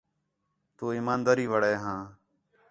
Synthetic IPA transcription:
t̪uːiːmaːnd̪aːɾiːʋəɽeːɦãː

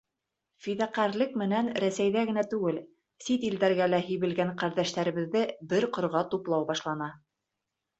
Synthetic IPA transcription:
fiðæqæɾlɘkmɘ̆nænɾæsæjðæɣɘ̆næt̪ʉɡɘl | sit̪ild̪æɾɡælæɦĭjβɘ̆lɡæɴqæɾðæʃt̪æɾɘ̆βɘ̆ðːɘbɘɾqŏɾʁɑt̪uplˠɑwbɑʃlˠɑnɑ

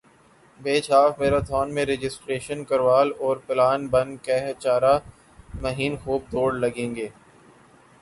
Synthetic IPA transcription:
beːt͡ʃʰaːfmeːɾat̪ʰɔːnmẽɾed͡ʒɪsʈɾeːʃənkɐɾʋaːlɔːɾpɪlaːnbɐnkɛɦt͡ʃaːɾa | mɐɦiːnxuːp̚d̪oːɽlɐɡẽːŋɡeː

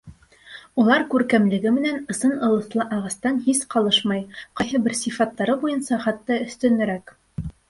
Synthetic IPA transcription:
ulˠɑɾkʉɾkæmlɘ̆ɡɘmɘ̆nænɤ̆sɤnɤ̆lˠɤ̆θlˠɤʔɑʁɑst̪ɑnhisqɑlˠɤʃmɑjqɑjhɤbɘɾsifɑt̪ːɑɾɤbujɤnsɑχɑt̪ːɑɵ̆θt̪ɘ̆nɘ̆ɾæk

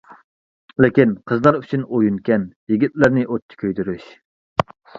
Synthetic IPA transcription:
lɪkʲinqʰəzlˠɑɾyt͡ʃʰynojunkʲɛnjiɡʲit̪̚læɾnɪʔot̚ʰːi̥kʲʰøjd̪yɾyʃ

